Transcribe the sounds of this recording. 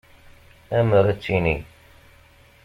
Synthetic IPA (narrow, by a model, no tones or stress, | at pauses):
æməɾæt͡sːini